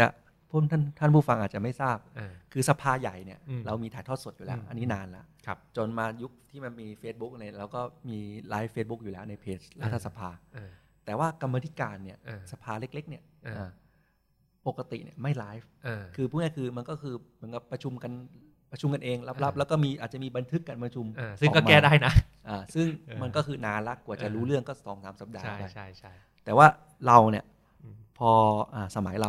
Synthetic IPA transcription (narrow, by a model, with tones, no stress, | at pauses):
a̰˨˩ | pʰuː˥˩mt̪ʰa˥˩nt̪ʰa˥˩npʰuː˥˩fa˧ŋʔaː˨˩t̪t͡ɕa˨˩ma˥˩jsaː˥˩p̚ːkʰɯː˧sa˧pʰaː˧ja˨˩jni˥˩ɐɾa˧wmiː˧t̪ʰaː˨˦jt̪ʰɔ˥˩su˨˩t̪̚juː˨˩lɛː˦˥wʔa˧nːi˦˥naː˧nla̰˦ʔʰt͡ɕo˧nmaː˧ju˦˥k̚t̪ʰiː˥˩ma˧nmiː˧feː˦˥t̪̚bu˦˥k̚la˧jlaː˧wkɔː˥˩miː˧laː˦˥jfeː˦˥t̪̚bu˦˥k̚juː˨lɛː˦˥wna˧jpʰeː˦˥t͡ɕlaː˦˥˩t̪ʰːa˧sa˧pʰaː˧ | t̪ɛː˨˩waː˥˩ka˧mːaː˧t̪ʰi̥˦˥kaː˧nːi˥˩ɐ˧sa˧pʰaː˧le˦˥k̚le˦˥k̚ni˥˩ɐʔaː˨˩ | po˨˩kːa˧t̪ḭ˨˩ʔnḭ˦˥˩əma˥˩jlaː˦˥jfʔkʰɯː˧pʰu˥˩ni˦˥˩kʰɯː˧ma˧nkɔː˥˩kʰɯː˧mɯ˩˦nka˨˩pːɾa˧t͡ɕʰu˧mka˧n | pɾa˧t͡ɕʰu˧mka˧nʔeː˧ŋla˦˥p̚la˦˥p̚lɛː˦˥wkɔː˥˩miː˧ʔaː˨˩t̪̚t͡ɕa˨˩miː˧ba˧nt̪ʰɯ˦˥kːa˧npɾa˧t͡ɕʰu˧m˧sɯː˥˩˨kɔː˥˩ma˧ɛː˥˩daː˥˩jna˦˥ʔaː˨˩sɯ˥˩ŋma˧nkɔː˥˩kʰɯː˧naː˧la˦˥kːu˨˩ət͡ɕa˨˩ɾuː˦˥lɯ˥˩əŋkɔː˥˩sɔː˩˦ŋsaː˩˦msa˨˩p̚daː˧a˦˥˩pːa˧j | t̪ɛː˨˩waː˥˩ | ɾa˧wni˥˩ɐ | pʰɔː˧ʔaː˨˩sa˧ma˨˩˦jla˧